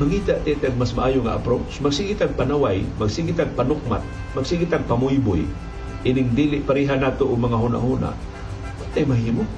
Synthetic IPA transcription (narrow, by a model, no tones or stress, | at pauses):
maŋiːt̪aʔt̪ɛt̪aɡ̚masmaʔaːjoŋa̰ʔa̰pɾosmaɡsiɡit̪aɡ̚panawajmaɡsiɡɪt̪aɡ̚panʊk̚ma̰t̪̚ | mɐɡsiɡɪt̪aɡ̚pamʊjbʊ̰j | ʔinɪŋd̪iːlɪʔpaɾiːɦanaːt̪oʔʊmɐŋaɦuna̰ʔhuːna̰ʔ | pat̪ːajmɐɦiːmo